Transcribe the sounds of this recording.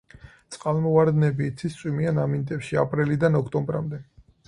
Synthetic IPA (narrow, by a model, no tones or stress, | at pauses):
t̪sʼqʼalˠmɔvaɾd̪nɛbiːt̪sʰist̪sʼwimianamint̪ʼɛpʃiapʼɾilid̪anɔkʰt̪ʼɔmbɾa̰md̪ɛ